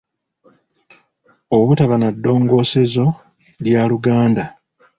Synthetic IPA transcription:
oβutaβanadːo̞ːŋɡo̞ːse̞zo̞ | ljaluɡaːnda

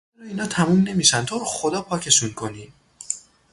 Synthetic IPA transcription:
ɾɔiːnhɒːt̪ʰæmumne̞miːʃænt̪ʰoːɾxod̪ɒːpʰɒːcʰe̞ʃunkʰoniː

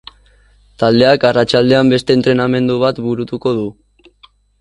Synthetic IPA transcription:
t̪ald̪e̞akarat͡ʃald̪e̞ambe̞st̪e̞ːnt̪ɾe̞name̞nd̪uβ̞at̪buɾut̪uko̞ðu

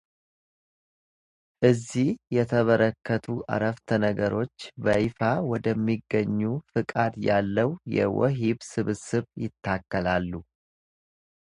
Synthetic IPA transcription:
ʔɨzːihjɛt̪ʰəβəɾəkːət̪ʰuʔa̰ɾəft̪ʰənəɡəɾo̞t͡ʃːbəʔifawɔd̪əmːiɡːəɲːufɨkʼad̪jalːəwjɛ̰wɔ̰ɦiβsɨβsɨβjɪt̪ʰːakːəlalːu

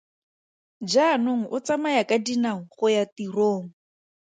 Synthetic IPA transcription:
d͡ʒanoŋ̩ʔʊt͡samajakadinaŋ̩χʊjatiroːŋ̩

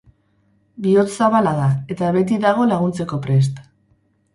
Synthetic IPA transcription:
bio̞t͡ssaβalaðae̞t̪aβe̞t̪̬iðaɣ̞o̞laɣ̞unt͡se̞ko̞pɾe̞s̬t̪

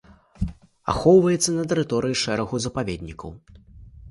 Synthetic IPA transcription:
a̰xɔwvɐjɛt̪sːɐnɐt̪̬ɛɾɨt̪ɔɾɨjiʂɛɾɐɣuzɐpavʲed̪̚ʲnʲikɐ̰w

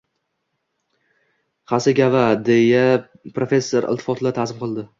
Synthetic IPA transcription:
χasɪɡʲavad̪eja | pɾofʲe̞sːoɾɪ̰lˠt̪ʰɪ̥fɒt̪ʰɪd̪at̪ʰazɪmqʰɨlˠd̪ɪ

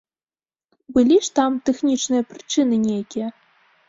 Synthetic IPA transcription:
bɨlʲiʂt̪amt̪ɛxnʲit͡ʂnɨjɐpɾɨt͡ʂɨnɨnʲejakʲijɛ

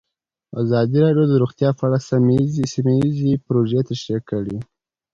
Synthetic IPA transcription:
a̰zɑd̪iɾɑɖjod̪əɾuɣt̪jɑfaɽasamzisimajizipɾoʒet̪aʃekəɽi

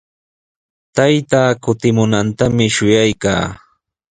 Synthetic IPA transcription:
t̪ajt̪aːkʊt̪ɪmʊnant̪amɪʃʊjajka̰ː

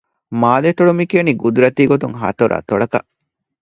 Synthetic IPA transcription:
maːleʈoɽumikeːniɡud̪uɾɐt̪iːɡot̪uŋɦɐ̰t̪oɾʔɐ̰t̪oɭɐkɐʔ

